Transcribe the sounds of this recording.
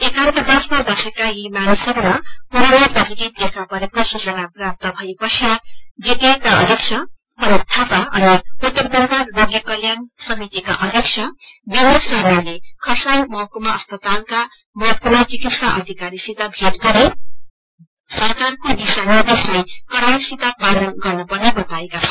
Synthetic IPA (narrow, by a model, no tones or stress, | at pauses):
ekawt̪ʌd̪ʌsmabʌsekaɦimanisʌɾmapuɾʌnaprʌd͡ziɡit̪ekʰapʌɾekosut͡sʌnaprap̚t̪ʌbʱʌepʌsad͡zit̪ekaʌ̰d̪ʱikt͡ʃʰʌ | pʌnʌt̪ʰːapaʌ̰niut̪ːʌrbʌt̪ajoɡjʌkʌljansʌmit̪ika̰ʔʌd̪ʱiksʰʌbinosrʌalekʰʌsajmʌɦʌkomaʌspʌt̪alka | mʌd̪̚puɾat͡sikit̪saʔʌ̰d̪ʱikaɾisit̪abʱeʈɡʌɾe | sʌrkarkonisanid̪eslejkʌɾasit̪abanʌlɡʌrnupʌrnebʌt̪aekat͡sʰʌn